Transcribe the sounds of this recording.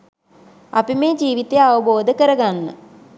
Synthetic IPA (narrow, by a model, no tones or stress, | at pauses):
apimeːd͡ʒiːʋit̪ejaʋəboːd̪əkəɾəɡanːə̰